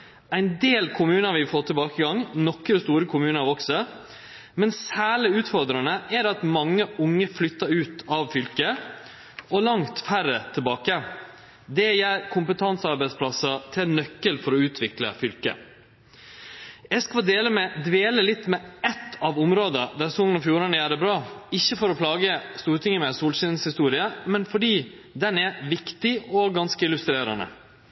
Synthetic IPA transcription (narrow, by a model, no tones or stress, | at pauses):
æɪnd̪eːlkʰʊmʉːnəɾʋɪfoːt̪ʰːɪbɑːkəɡɑŋnɔkɾəst̪uːɾəkʰʊmʉːnəɾʋɔksə | mɛnsæːɭɪʉːt̪fɔɾd̪ɾɑnəæɾɑt̪mɑŋːəʔʊŋːəflʏt̪ːɑʉːt̪ɑʋfʏlkə | ɔlɑŋt̪fæɾːət̪ʰɪlbɑːkə | d̪ɛjæːɾkʰʊmpət̪ʰɑnsɑɾbæɪspʰlɑsət̪ʰɪnœkːəlfɔɾɔʉːt̪ʰʋɪklə̰fʏlkə̰ | ɛskʋɑd̪eːləmɛd̪ʋeːləlɪt̪ːmɛɛt̪ːɑʋʊmɾoːd̪əd̪æɾsɔŋənɔfjuːɾɑnəjæːɾəbɾɑːɪçːəfɔɾɔpʰlɑːɡəst̪uːɾt̪ʰɪŋəmɛsuːlsɪnshɪst̪uːɾɪəmɛnfɔɖiː | d̪ɛnæɾʋɪkt̪ɪɔɡɑnskəɪlʉst̪ɾeːɾənə̰